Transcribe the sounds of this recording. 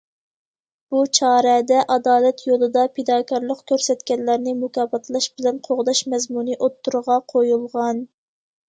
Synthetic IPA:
b̥ut͡ʃʰɑːɾɛd̪ɛʔɑd̪ɑːlɛt̪ʰjolˠɨd̪ɑpʰed̪ɑːkʰɑɾlˠəqkʲʰøɾsɛt̪kʲɛnlæɾnɪmukʰɑːbɑt̪ʰlˠɑʃbɪlɛnqʰoʁd̪ɑʃmɛzmunɨʔot̪ʰːuɾʁɑqʰojulˠʁɑn

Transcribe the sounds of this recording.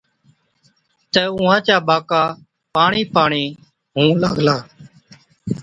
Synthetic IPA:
t̪əːʊ̃ːɦãːt͡ʃaːɓaːkaː | paːɳiːpaːɳiː | ɦũːla̰ːɡlaː

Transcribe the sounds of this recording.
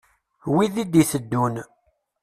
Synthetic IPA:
wiðid̪iθəd̪ːun

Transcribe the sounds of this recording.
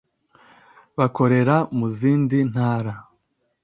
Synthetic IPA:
βako̞ɾe̞ɾamuziːndin̥haːɾa

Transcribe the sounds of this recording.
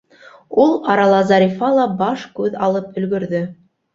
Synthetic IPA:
ulˠɑɾɑlˠɑzɑɾʲifɑlˠɑbɑʃkʉðɑlˠɤpɵ̆lɡɵ̆ɾðɵ

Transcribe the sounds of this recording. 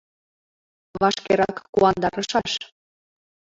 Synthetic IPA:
βɑʃkeɾɑkːuɑnd̪ɑɾəʃɑʃ

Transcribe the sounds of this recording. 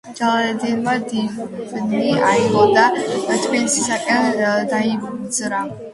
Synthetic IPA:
d͡ʒalˠad̪ɛd̪ɛnmad̪ibniaiɡɔd̪at̪ʰbilisisakʼɛnd̪aid̪zɾa

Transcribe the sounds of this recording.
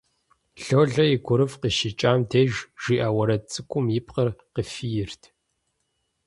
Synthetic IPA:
ɬoːɮɐjɪɡʷʊɾɨvqiʃit͡ʃʼaːmdʰeːʒʒ̥iːʔaːwɐɾɐt͡sʼɨkʷʰʼʊmjɪpʼqɐrqəfijɪrtʰ

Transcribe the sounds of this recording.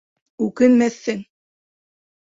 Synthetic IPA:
ʉkɘnmæθːɘŋ

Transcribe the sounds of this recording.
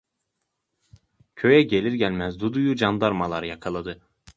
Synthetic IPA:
cʰø̞jɛɟe̞lʲiɾɟælʲmæzd̪ud̪ujud͡ʒand̪aɾmalˠaɾjakʰalˠad̪ɯ

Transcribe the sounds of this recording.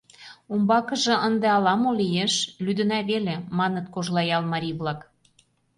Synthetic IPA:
umbɑkə̆ʒĕʔənd̪ĕɑlɑmolʲijeʃlyd̪ə̆næβelemɑnət̪̚koʒlɑjɑlmɑɾʲiβlɑk

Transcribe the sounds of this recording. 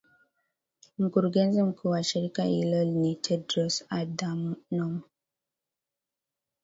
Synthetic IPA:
m̩kuɾuɡɛnzim̩kʰuːwaʃiɾikahilɔlnitʰɛdɾɔsadamnɔm

